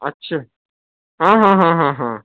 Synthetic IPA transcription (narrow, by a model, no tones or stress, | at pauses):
ɐtːɕʰaː | ɦãːɦãɦãɦãɦãː